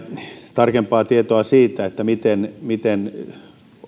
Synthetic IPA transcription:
t̪ɑrkempɑːt̪iet̪oɑsiːt̪æet̪ːæmit̪enmit̪en

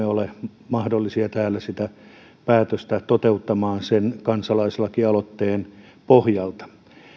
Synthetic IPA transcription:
eole | mɑhdolːisiɑt̪æːlːˑæsit̪æ | pæːt̪øst̪æt̪ot̪eut̪ːɑmɑːnsenkɑnsɑlɑiselːɑkiɑlot̪ːeːn | pohjɑlt̪ɑ̥

